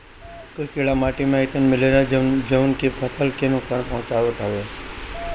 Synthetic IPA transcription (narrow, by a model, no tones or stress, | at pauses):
kəkeɭamaːʈimẽət̪ənmɪleɾad͡ʒəʋnkepʰəsʰəlkenʊksaːnpɔɦʊ̃t͡ʃaːʋəʈ̪ʰaʋe